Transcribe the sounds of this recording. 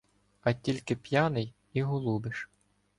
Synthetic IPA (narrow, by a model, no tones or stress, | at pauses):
ɐtʲilʲkɪpjanɪj | iɦʊlˠubɪʃ